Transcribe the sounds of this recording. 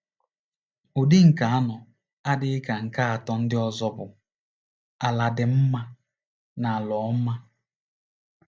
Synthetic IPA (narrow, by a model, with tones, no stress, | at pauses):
o˨di˦ŋ̩˨ka˨a˦nɔ˨ | a˦dɪ˦ɪ˦ka˨ŋ̩˨ka˦a˨tɔ˦n̩˦dɪ˦ɔ˦zɔ˦bʊ˨ | a˨la˨dɪ˨m̩˦ma˦ | na˨a˨lɔ˨˦m̩˦ma˦